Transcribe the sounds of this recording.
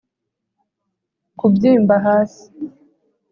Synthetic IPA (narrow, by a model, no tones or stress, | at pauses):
kubɟiːmbaɦaːsi̥